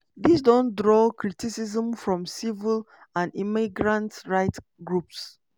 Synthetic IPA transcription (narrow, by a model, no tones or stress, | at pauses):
ðisdɔ̃ndɹɔkɹitisizə̃mfɹɔ̃msivil | ãnimiɡɹãntɹaɪt | ɡɹups